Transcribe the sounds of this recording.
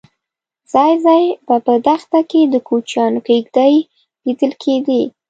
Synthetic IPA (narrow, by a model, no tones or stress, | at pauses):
z̥ɑjzɑjbapəd̪axt̪aked̪əkot͡ʃjɑnkeɡd̪aj | lid̪əlkʰed̪i